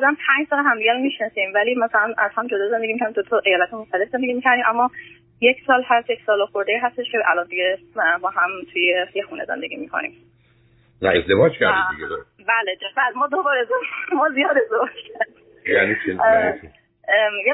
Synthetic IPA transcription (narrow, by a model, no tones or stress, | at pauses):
ɒd̪æmpʰæɲd͡ʒsɒːleɦæmd̪iɟæɾomiʃnɒsiːmvæliːmæsælænæz̥hæmd͡ʒod̪ɒːzend̪eɟimikʰæɾdid̪ot̪ʰɒʔejɒːlæt̪emoxt̪æle̞fzend̪eɡimicʰæɾd̪imʔæmːɒ | jekʰsɒːlhæst̪jecsɒːloxoɾd̪eiːɦæst̪eʃcʰeʔæ̰lɒnd̪iɟebɒːɦæmt̪ʰujejexuːnʔezḛnd̪eɟiːmiːkʰo̰nḭm | næ̰ezd̪evɒːd͡ʒcʰæɾd̪iiɡʲed̪ɾ | bæled̪efæzmɒːd̪obɒːɾezomɒːzijɒːd̪ezobʃkʰæɾd̪ | jæ̰nit͡ʃʰin | je